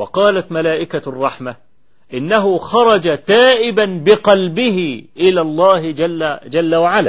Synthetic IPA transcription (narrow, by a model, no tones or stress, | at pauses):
wɑqɑːlat̪malaːʔɪkarˤːɑħma | ʔɪnːaɦʊxɑɾˤɑd͡ʒat̪aːʔɪbanbɪqɑlbɪɦɪʔɪlaːlˤːɑːhad͡ʒalːawaʕala̰ː